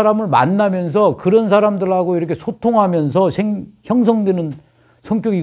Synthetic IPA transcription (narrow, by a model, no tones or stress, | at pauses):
aɾamɯɭma̰nːamjʌnsʰʌkɯɾʌnsʰaɾamdɯɭɦaɡoiɾʌkʰesʰotʰoŋɦamjʌns̬ʰʌɕʰeŋçjʌŋs̬ʰʌŋdwenɯn | sʰʌŋkjoɡi